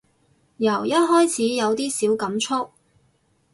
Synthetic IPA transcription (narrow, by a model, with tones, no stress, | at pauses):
jɐ˨˩wjɐ˥t̚ɦɔː˥jt͡sʰiː˨˥jɐ˨˧wt̪iː˥siː˨˥wkɐ˨˥mt͡ʃʰʊ˥k̚